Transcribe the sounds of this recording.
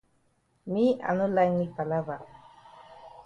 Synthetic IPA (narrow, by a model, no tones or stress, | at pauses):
mia̰nʊlajmɪpalaba